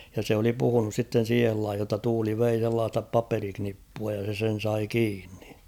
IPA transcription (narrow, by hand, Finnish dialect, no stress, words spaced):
jɑ se oli puhunus sitːen̞ siːhel lɑihij jotːɑ tuːli ʋei selːɑːstɑ pɑperiknipːuɑ jɑ se sen̞ sɑi kiːnːi̥